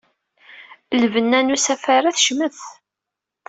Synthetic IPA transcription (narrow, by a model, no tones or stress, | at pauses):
lvənːænusæfaɾˤaθʃməθ